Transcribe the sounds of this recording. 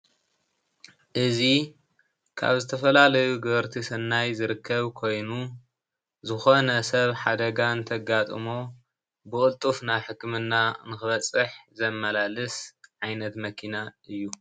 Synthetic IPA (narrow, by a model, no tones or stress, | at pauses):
ʔɨzi | kʰa̰βzɨt̪ʰɐfɐlalɐjuɡɐβɐɾt̪ʰisɐnːajzɨɾɨkʰːɐβkʰo̞jnu | zɨxo̞nɐsɐβħad̪ɐɡant̪ʰɐɡat̪ʼɨmo | bɨkʼɨlt̪ʼufnaħɨkːmɨnːanɨxɨβɐt͡sʼɨħzɐmːɐlalɨsʕajnɐt̪mɐkʰinaʔɨjːu